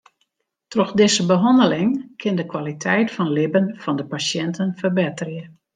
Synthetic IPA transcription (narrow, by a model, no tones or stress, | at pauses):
trɔxdɪzəbəɦɔndəlɪŋkʰɪndəkwalitʰɛjtfɔnlɪbənfɔndəpasjɛntʰənfərbɪtərjə